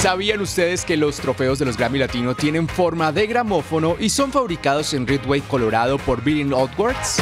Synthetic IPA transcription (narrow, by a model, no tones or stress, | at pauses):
saβianust̪e̞ðe̞ske̞lo̞st̪ɾo̞fe̞o̞zðe̞lo̞zɣɾamilat̪ino̞t̪je̞nẽ̞ɱfo̞ɾmaðe̞ɣɾamo̞fo̞no̞ʔiso̞ɱfaβɾikað̞o̞se̞nrit̪wejko̞lo̞ɾaðo̞po̞ɾbilinod̪waɾd̪s